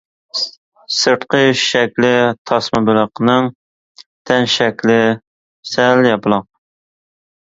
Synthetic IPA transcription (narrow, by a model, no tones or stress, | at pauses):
sɨɾt̪qəʃɛkʲlɪt̪ʰɑsmɨbyləqnɨŋ | t̪ʰɛnʃɛkʲlɪ | sɛljɑpɨlˠɑq